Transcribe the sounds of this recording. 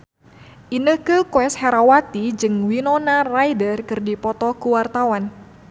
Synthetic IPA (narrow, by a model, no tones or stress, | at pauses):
ʔinəhkəkoɛshɛɾawat̪id͡ʒɨŋwinɔnarajdərkɨrdipɔt̪ɔkuwart̪awan